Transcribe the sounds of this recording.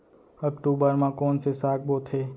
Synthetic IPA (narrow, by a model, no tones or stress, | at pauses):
ək̚ʈubəɾmãkonsesak̚bot̪ʰe